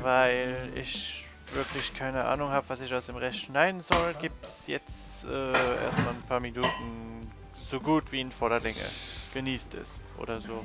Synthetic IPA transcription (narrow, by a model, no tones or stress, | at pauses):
vaɪlɪ̰ç | v̥ɪɐklɪçkʰaɪnəʔa̰ːnʊŋhaːbəvasɪçaʊsd̥eːmʁɛçtʃnaɪdn̩zɔlɡiːp̚tsjɛt͡stʔɛːʔḛːɐstmaːlənpʰaːɐminuːtn̩ | z̥oːɡuːtv̥iːnfɔɐɾɐlɪŋə̰ɡ̥əniːstʰɪ̰s | ʔo̰ːdɐzoː